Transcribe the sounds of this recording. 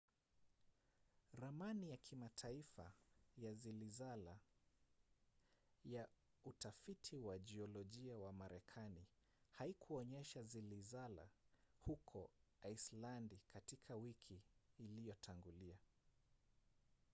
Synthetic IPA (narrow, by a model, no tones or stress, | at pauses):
ɾamanijakʰimatʰaifa̰jazilizala | ja | utafitʰiwaʄiɔlɔʄiawamaɾɛkʰani | haikʰuɔɲɛʃazilizala̰hukʰɔaislandikatikʰawikʰiːlijɔtʰaŋɡulia